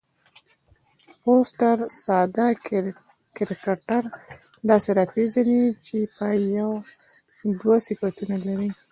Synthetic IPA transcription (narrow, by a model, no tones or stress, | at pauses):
posʈaɾsɑd̪a | kɪɾikaʈaɾ | d̪ɑseɾɑpeʒanit͡ʃepajaw | d̪wasifat̪unalaɾi